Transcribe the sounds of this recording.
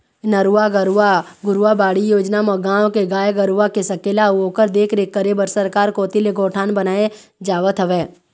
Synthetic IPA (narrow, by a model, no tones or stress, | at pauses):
nəɾuaɡəɾuaɡʊɾabaːɽijoːd͡ʒnamɐɡãːõkeɡaːjɡəɾuakesəkeːlaoːkəɾd̪eːkʰɾekːəɾebəɾsəɾkaːɾkoːt̪ileɡoːʈʰaːnbənaːed͡ʒaːʋət̪ɦəʋeː